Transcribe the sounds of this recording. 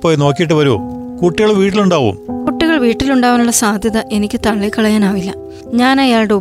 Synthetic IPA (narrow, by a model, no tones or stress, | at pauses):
pːoːjno̞ːkːijiʈ̬ːɨʋɐɾṵkuʈːiɣɐɭʋiːʈːiluɳɖaːʋṵmkuʈːiɣɐɭʋiːʈːiluɳɖaːʋɐnuɭːɐsaːd̪ʱjɐðɐʔe̞nikʲːɨt̪ɐɭːikɐɭɐjaːnaːʋilːɐ̰ | ɲaːnɐjaːɭɽeu